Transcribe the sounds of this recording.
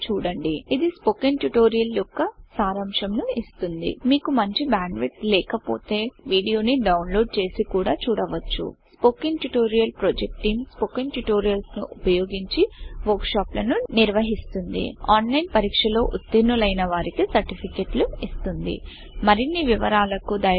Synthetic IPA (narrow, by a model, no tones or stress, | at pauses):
t͡ʃuːɽɐɳɖiid̪ispokiŋɡʈjuʈo̞ːɾijɐljɔkːɐsaːɾɐmʂɐmnuist̪und̪ḭmiːkumɐɲt͡ʃibaːɳɖʋiʈslɛːkɐpo̰ːt̪e̞ːʋiːɽijo̞ːniɖɐwnlo̞ːɖ̚t͡ʃe̞ːsikuːɽaːt͡ʃuːɽɐʋɐt͡ʃːṵspoːkiŋɡʈuʈo̞ːɾijɐlpɾoːd͡ʒek̚ʈiːmspokiŋʈuʈo̞ːɾijɐlsnuʔupɐjoːɡiɲt͡ʃiʋɐɾkʂaːplɐnuniɾʋɐɦist̪und̪ḭaːnlɐjnpɐɾiːkʂɐlo̞ːʔut̪ːinːulɐjnɐʋaːɾikisɐɾʈipʰikeːʈluist̪und̪ḭ | mɐɾinːiʋiʋɐɾaːlɐkud̪ɐj